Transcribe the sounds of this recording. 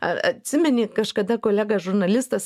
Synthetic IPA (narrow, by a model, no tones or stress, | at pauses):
ɐɐ̰t̪ʲsʲɪmʲɛnʲɪkɐʃkɐd̪ɐkoːlʲæːɡɐsʒʊrnɐlʲɪst̪ɐs